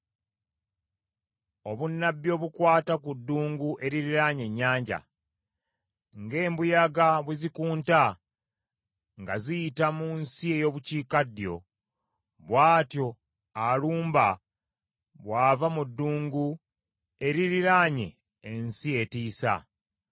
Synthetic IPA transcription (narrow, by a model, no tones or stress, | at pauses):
o̞βunːabːjo̞ːβukwaːtakudːuːŋɡuʔe̞ɾiɾiɾaɲe̞ɲːaːɲɟa̰ | ŋɡe̞ːmbujaɡaβuzikuːnta | ŋɡazijitamunsie̞jo̞ːβuciːkadjo̞ | βwaːtjo̞ | aluːmba | βwaːvamudːuːŋɡu | e̞ɾiɾiɾaɲe̞ː | nsie̞tiːsa̰